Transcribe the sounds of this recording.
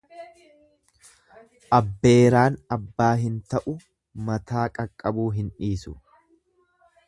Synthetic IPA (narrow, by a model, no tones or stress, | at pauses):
ʔɐbːeːɾaːnɐbːaːɦɪnt̪ɐʔʊ | mɐt̪ʰaːkʼɐkʼːɐbuːɦɪnᶑiːsʊ̰